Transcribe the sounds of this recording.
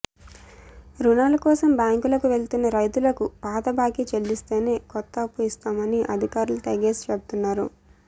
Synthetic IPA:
ɾunaːlɐkɔːsɐmbjaːŋkulɐkuʋe̞ɭt̪unːɐɾɐjt̪ulɐkupaːd̪ɐbaːkit͡ʃeɭːist̪e̞ːne̞ːkɔt̪ːɐːpːuist̪aːmɐniʔɐd̪ʱikaːɾulɐʈɐːɡeːst͡ʃebut̪unːaːɾṵ

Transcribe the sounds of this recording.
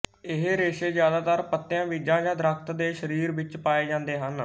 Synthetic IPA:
ɪɦɾeːʃeːzjaːd̪aːt̪əɾpət̪ːjãːʋiːd͡ʒãːd͡ʒãːd̪ɾək̚ʰt̪d̪eːʃəɾiːɾʋɪt͡ʃpaːeːd͡ʒãːnd̪eːɦən

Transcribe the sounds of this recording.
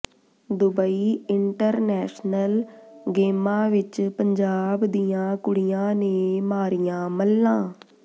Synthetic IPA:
d̪ʊbəiːɪɳʈəɾnɛːʃnəlɡeːmãːʋɪt͡ʃpəɲd͡ʒaːbd̪ijãːkʊɽijãːneːmaːɾijãːməlːãː

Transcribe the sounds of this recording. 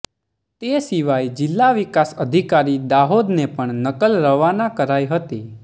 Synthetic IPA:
t̪esiʋajd͡ʒɪlːaʋikasəd̪ʱikaɾid̪aɦod̪nepəɳnəkəlɾəʋanakəɾajɦət̪e

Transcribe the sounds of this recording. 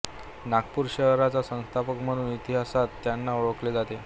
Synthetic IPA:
nakpuɾɕəɦɾat͡sasə̃w̃st̪ʰapəkm̤əɽ̃uːnit̪iɦasat̪ːjanːaɔɭəkled͡zat̪e

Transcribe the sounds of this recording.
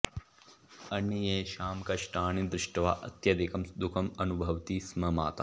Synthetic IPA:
ɐɳjɐjeːʃaːmkɐʃʈaːɳid̪ɾɪʂʈɐʋa̰ːʔɐt̪jɐd̪ikʰɐmd̪ukʰɐmɐnubʱɐʋt̪ismɐma̰ːt̪ɐ

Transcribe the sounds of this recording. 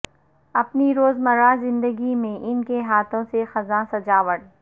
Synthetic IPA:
ɐpniɾoːzmɐɾazɪ̃nd̪əɡimẽʔɪnkeɦaːt̪ʰõsexɐzãsɐd͡ʒaːʋəɽ

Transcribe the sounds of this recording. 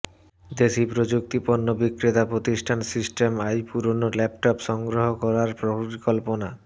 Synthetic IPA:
d̪eʃipɾod͡ʑuk̚t̪iponːobikɾit̪apɾot̪iʃʈʰansisʈemajpuɾonolɛpʈɔpʃɔŋɡɾoɦokɔɾaɾpɾoɾikɔlpona

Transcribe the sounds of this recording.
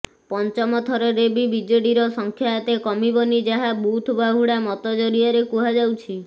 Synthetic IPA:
pɔnt͡ʃɔmɔt̪ʰɔɾɔɾebibid͡ʒeɽiɾɔsɔŋkʰjaet̪ekɔmibɔnid͡ʒaɦabut̪ʰubaɦuɽamɔt̪ɔd͡ʒɔɾiaɾekuɦad͡ʒawt͡ʃʰi

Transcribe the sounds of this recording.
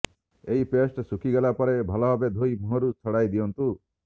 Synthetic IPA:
eɦipesʈsukiɡelapɔɾebʱɔlɔbabed̪ʱojmuɦɔɾut͡sʰɔɽajd̪iɔnt̪u

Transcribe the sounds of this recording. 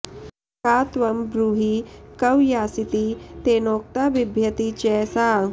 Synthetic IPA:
kaːt̪ʋɐmbɾuːɦikɐwjaːsit̪it̪eːnoːk̚t̪aʋɪbʱjɐt̪it͡ʃɛːsaː

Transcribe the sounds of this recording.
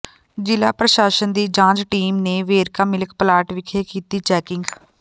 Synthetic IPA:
d͡ʒɪla̰ːpɾəʃaːʃənd̪iːd͡ʒãːd͡ʒʈiːmneːʋeːɾkaːmɪləkpəlaːʈʋɪkʰeːkiːt̪iːt͡ʃɛːkɪŋɡ

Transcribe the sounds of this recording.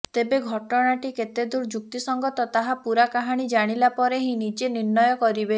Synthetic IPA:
t̪ebeɡʱɔʈɔɽ̃aʈiket̪ed̪uɾd͡ʒuk̚t̪isɔŋɡɔt̪ɔt̪aɦapuɾakaɦaɽ̃id͡ʒaɽ̃ilapɔɾeɦĩnid͡ʒeniɾnɔjɔkɔɾibe

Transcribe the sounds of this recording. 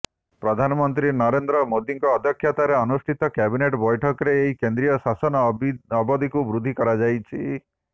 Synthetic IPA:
pɾɔd̪ʱanɔmɔnt̪ɾinɔɾend̪ɾɔmod̪iŋkɔːd̪ɔkʰːjat̪aɾeɔnusʈʰit̪ɔkɛbineʈbɔjʈʰɔkɔɾeːɦikend̪ɾijɔsasɔnɔɔbɔd̪ʱikubɾud̪ʱikɔɾad͡ʒajt͡ʃʰi

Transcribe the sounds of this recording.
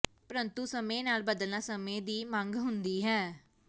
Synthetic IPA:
pəɾənt̪uːsəmẽːnaːlbəd̪əlnaːsəmẽːd̪iːmə̃ŋɡɦʊnd̪iːɦɛː

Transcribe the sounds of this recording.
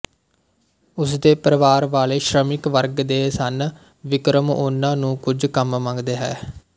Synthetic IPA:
ʊsd̪eːpəɾəʋaːɾʋaːleːʃɾəmɪkʋəɾɡd̪eːsən | ʋɪkɾəmʊnãːnũːkʊd͡ʒkəmmə̃ŋɡd̪eːɦɛː

